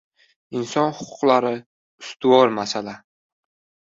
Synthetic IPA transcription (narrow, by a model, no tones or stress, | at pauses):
ɪnsɒnhʊ̥qʰʊ̥qlaɾɪ | ʊst̪ʊwɒɾmasala